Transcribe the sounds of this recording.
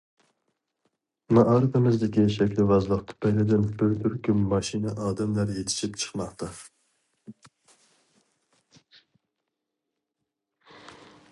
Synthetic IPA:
mɑʔɑɾɨt̪ɪmɪzd̪ɪkʲiʃɛkʲlɪvɑzlˠəqt̪ʰʊ̥pʰɛjlɪd̪ɪnbɪɾt̪ʰyɾkʲʰymːɑʃinɛʔɑːd̪ɛmlæɾjet̪ʰɪ̥ʃipt͡ʃʰə̥χmɑqt̪ʰɑ

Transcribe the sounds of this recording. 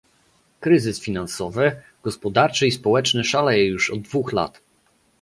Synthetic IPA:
kɾɘzɘsfʲinansɔvɘ | ɡ̥ɔspɔd̪aɾt͡ʂɘispɔwɛt͡ʂnɘʂalajɛjuʂɔd̪̚ːvuxla̰t̪

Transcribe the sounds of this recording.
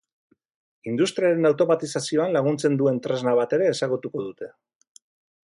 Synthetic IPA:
ind̪ust̪ɾiaɾe̞nawt̪o̞mat̪isasio̞anlaɣ̞unt͡se̞nd̪ue̞nt̪ɾe̞znaβat̪e̞ɾe̞ːsaɣut̪uko̞ð̞ut̪e̞

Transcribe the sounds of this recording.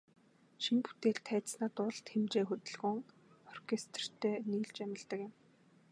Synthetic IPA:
ʃimpu̥t̪eːɮt̪ʰːæːt̪snaːt̪ʊɮt̪xemt͡ɕeːxɵt̪ɵ̆ɮɣɵ̆ŋ | ɔrkʰest̪̆r̥t̪ʰœːniːɮt͡ɕæmʲɪ̆ɮt̪ə̆kjɪ̆m

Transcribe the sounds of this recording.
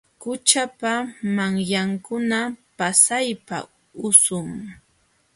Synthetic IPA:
kʊt͡ʃapamaŋjaŋkʊnapasajpa̰ | ʊsʊŋ

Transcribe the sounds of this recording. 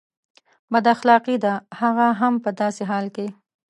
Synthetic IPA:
bad̪axlɑqid̪ahaɣaɦampəd̪ɑseɦɑlke

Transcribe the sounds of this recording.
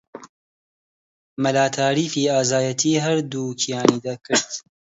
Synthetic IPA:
mɐlaːt̪ʰaːɾiːfiːaːzaːjɐt̪ʰiːɦɐɾd̪uːkʰijaːniːd̪akʰɨɾt̪

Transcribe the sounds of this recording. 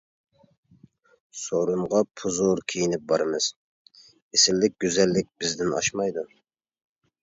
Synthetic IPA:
soɾuɴʁɑpʰuzoɾkʲʰijinɪp̚bɑɾɨmɨz̥ | esɪlːɪk̚ʲɡʲøzɛlːɪk̚ʲbɪzd̪ɪnɑ̰ʃmɑjd̪u

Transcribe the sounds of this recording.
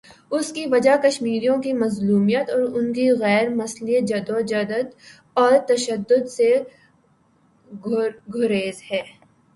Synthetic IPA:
ʊskiʋɐd͡ʒakɐʃmiːɾijõkimɐzluːmijət̪ɔːɾʊnkiɣɛːɾmɐslijət̪̚d͡ʒɐd̪od͡ʒɐd̪ət̪ | ɔːɾt̪ɐʃəd̪ːʊd̪se | ɡʱʊɾeːzhɛː

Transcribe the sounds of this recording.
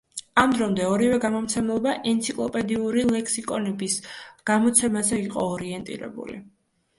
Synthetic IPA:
amd̪ɾɔmd̪ɛɔɾivɛɡamɔmt̪sʰɛmlˠɔbaʔɛnt̪sʰikʼlˠɔpʼɛd̪iuɾilɛkʰʼsikʼɔnɛbisɡ̥amɔt̪sʰɛmazɛiqʼɔːɾiɛnt̪ʼḭɾɛ̰bṵlḭ

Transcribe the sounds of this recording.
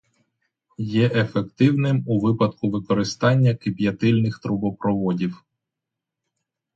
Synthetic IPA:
jɛʔefekt̪ɪwnɪmuʋɪpɐd̪̚kʊʋɪkɔɾɪst̪ɑnʲːɐkɪpʲjɐt̪ɪlʲnɪxt̪ɾʊbɔpɾɔʋɔdʲiw

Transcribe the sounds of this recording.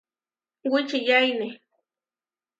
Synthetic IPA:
wɪt͡ʃɪjajnɪ

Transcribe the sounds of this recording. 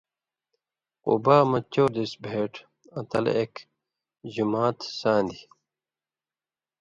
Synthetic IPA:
qṵbaːmɐt͡ɕːoːd̪isbʱeːʈ | ɐ̃t̪ɐ̰lek | ʑumaːt̪sãːnd̪i

